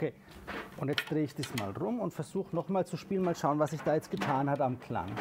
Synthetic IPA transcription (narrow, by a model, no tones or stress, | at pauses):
ʔokʰeː | ʔʊntjɛt͡st̚d̥ʁeːɪçd̥iːsma̰ːlʁʊmʊntfɛɐzuːxənɔχmaːlt͡suʃpiːlənmaːlʃaʊnvasɪçd̥aːjɛt͡st̚ɡ̥ətʰaːnhatamkl̥a̰ŋ